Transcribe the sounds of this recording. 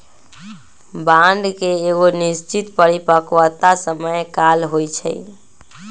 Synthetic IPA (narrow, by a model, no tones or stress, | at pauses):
bãnɖkeːɡonist͡ʃit̪pəɾipəkʋət̪asəməjkalɦojt͡ʃʰə̰j